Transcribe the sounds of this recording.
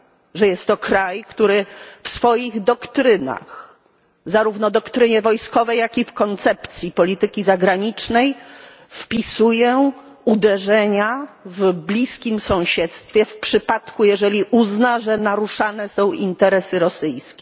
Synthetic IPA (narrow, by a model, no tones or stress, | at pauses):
ʐɛjɛst̪ːɔkɾajkt̪uɾɘfsfɔjiɣd̪ɔkt̪ɾɘna̰x | zaɾuvnɔd̪ɔkt̪ɾɘɲɛvɔjskɔvɛjjakʲifkɔnt̪sɛpt̪sʲjipɔlʲit̪ɘkʲizaɡɾaɲit͡ʂnɛj | fpʲisujɛ | ud̪ɛʐɛɲavblʲiskʲimsɔ̃w̃ɕɛt̪st̪fʲjɛfpʂɘpat̪kujɛʐɛlʲiʔuznaʐɛnaɾuʂanɛsɔ̃w̃int̪ɛɾɛsɘɾɔsɘjskʲɛ